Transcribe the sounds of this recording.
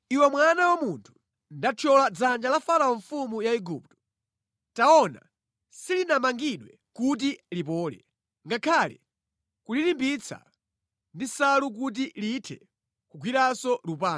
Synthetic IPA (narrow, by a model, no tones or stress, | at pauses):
iwɛmwanawamuntʰu̥ | ndat͡ʃʰɔlad͡zand͡ʒalafaɾaɔɱfumujaiɡup̚tɔ̥ | taɔna̰ | silinamaŋɡiɗwɛ | kut̬ilipɔːlɛ̰ | ŋɡakʰalɛ | kulilimbit͡sʰa̰ | ndisaluk̬ut̬ilitʰɛ | kuɡwiɾasɔlup̬aː